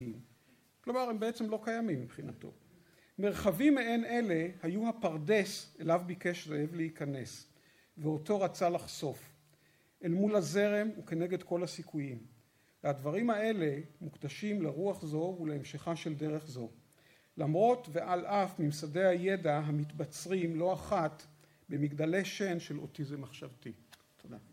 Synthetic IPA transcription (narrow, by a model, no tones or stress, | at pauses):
im | klo̞maʁembeet͡se̞mlo̞kajamimːipχinato̞̰ | me̞ʁχavimːeene̞le̞hajuhapaʁde̞selavbike̞ʃzojevleikane̞s | veo̞to̞ʁat͡salaχso̞f | ʔelmulaze̞ʁe̞muke̞ne̞ɡe̞dko̞lhasikʰujim | veadvaʁimae̞le̞mukd̪aʃimleʁuaχzo̞uleemʃeχaʃe̞lde̞ʁe̞χzo̞ | lamʁo̞tveʔalʔafmimsade̞jhaje̞daɦamitbat͡sʁimlo̞aχat | be̞miɡdale̞ʃe̞nʃe̞lo̞̰tizemaχʃavti | t̪ʰoda